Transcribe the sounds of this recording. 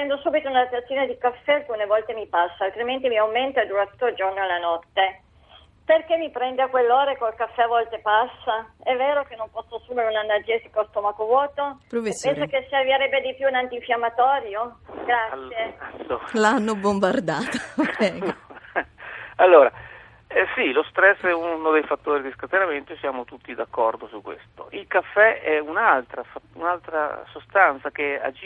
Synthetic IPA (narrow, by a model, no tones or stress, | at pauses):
ɛnd̪osuːbit̪ounad̪at̪at̪sːjoːned̪ikafːɛalkunevɔlt̪emipasːaːlt̪ɾiment̪̬imiawment̪ad̪uɾat̪u̥t̪ːold͡ʒornoalːanɔt̪ːe | perkemːipɾɛnd̪eakwelːeoːɾekolkafːɛavɔlt̪epasːaɛvːeːɾok̟enːompɔsːoasuːmeɾeunanːad͡ʒːesi̥kost̪omakovwɔːt̪opɾofespɛnssokesːavjeɾɛbːed̪ipjuːnant̪iɱfjamːat̪ɔːɾjoɡɾasjeat̪ːolaanːobombard̪aːt̪o̥ɛɡ | alːoːɾa | ɛsilost̪ɾɛsːɛunod̪ejfat̪ːoːɾid̪iskɾat̪enament̪osjaːmot̪ut̪ːid̪akːɔrd̪osukːwḛst̪oʔilkafːɛɛunalt̪ɾafaunalt̪ɾa̰sost̪ant̪sak̟ea̰d͡ʒ